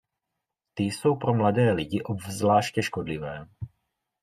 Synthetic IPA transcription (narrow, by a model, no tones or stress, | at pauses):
t̪ɪso̞wpɾomladɛːlɪɟɪʔobvzlaːʃcɛʃkodlɪvɛː